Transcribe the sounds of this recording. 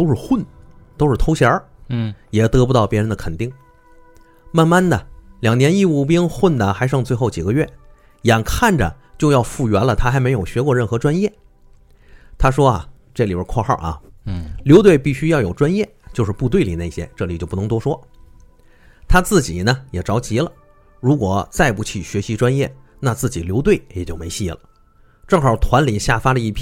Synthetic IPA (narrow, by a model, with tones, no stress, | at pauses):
t̪o˥ʊʂɻ̩˥˧xwə˥˩n | t̪o˥ʊʂɻ̩˥˩t̪ʰo˥ʊɕjə˞˧˥ | jɛ˨˩t̪ɤ˧˥pu˧˥ɑ˥˩ʊpjɛ˥ɻə˧˥nd̪ə˧kʰə˨˩nt̪i˥˩ŋ | ma˥˧nma˥˩nnə˨ljɑ˨˩ŋnjɛ˧˥ni˥˧u˥˩pi˥ŋxwə˥˩nd̪ə˩xa˧˥ɪʂɑ˥˧ŋt͡swe˥˧ɪxo˥˩ʊt͡ɕi˨˩ɡə˦ɥɛ˥˩ | ja˨˩nkʰa˥˩nʈ͡ʂə̰˩ | t͡ɕjo˥˧ʊjɑ˥˧ʊfu˥˩ɥɛ˧˥nlə˧t̪ʰa˥xa˧˥ɪme˧˥ɪjo˨˩ʊɕɥɛ˧˥kwɔ˥˧ɻə˥˩nxɤ˧˥ʈ͡ʂwa˥njɛ˥˩ | t̪ʰa˥ʂwɔ˥ɐ̰˨ | ʈ͡ʂɤ˥˩li˨˩bə˧˥kʰwɔ˥˧xɑ̰˥˩ɐ̰˩ljo˧˥ʊt̪we˥˧ɪpi˥˩ɕy˥jɑ˥˩ʊjo˨˩ʊʈ͡ʂwa˥njɛ˥˩t͡ɕjo˥˧ʊʂɻ̩˥˧pu˥˧t̪̬we˥˩ɪli˨˩ne˥˩ɪɕjɛ̰˥ʈ͡ʂɤ˥˩li˨˩t͡ɕjo˥˧pu˥˩nɤ˧˥ŋt̪wɔ˥ʂwɔ˥ | t̪ʰa˥t͡sɹ̩˥˩t͡ɕi˨˩nə˦jɛ˨˩ʈ͡ʂɑ˧˥ʊt͡ɕi˧˥lə̰˨˧ | ɻu˧˥kwɔ˨˩˦t͡sa˥˧ɪpu˥˩t͡ɕʰi˨˩ɕɥɛ˧˥ɕi˧˥ʈ͡ʂwa˥njɛ˥˩ | na˥˧t͡sɹ̩˥˩t͡ɕi˨˩ljo˧˥ʊt̪̬we˥˩ɪjɛ˨˩t͡ɕjo˥˩ʊme˧˥ɪɕi˥˩lə̰˩ | ʈ͡ʂɤ˥˩ŋxɑ˞˨˩t̪ʰwa˧˥nli˨˩nɕja˥˩fa˥də˨i˥˩pʰ